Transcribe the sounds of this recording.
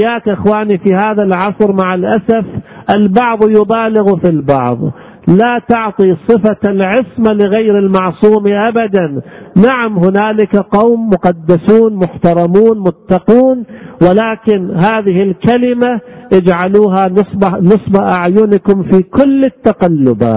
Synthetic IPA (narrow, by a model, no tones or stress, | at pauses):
jaːkʔɪxwaːnifihaːðalʕɑsˤɾmaʕalʔasafʔalbɑʕðˤjʊbaːlɪɣfilbɑ̰ʕðˤ | lat̪ɑʕt̪ˤisˤɨfalʕɪsmalɪɣajɾɪlmɑʕsˤuːmiʔabad̪anːaʕamɦʊnaːlɪkaqɑwmːʊqɑd̪ːasuːnmʊħt̪ɑɾˤɑmuːnmʊt̪ːɑquːnwɪlaːkɪnɦaːðɪhɪlkalɪmaʔɪd͡ʒʕaluːɦansˤbnɨsˤbaʔaʕjʊnɪkʊmfiːkʊlːɪt̪ːaqalːʊba̰ː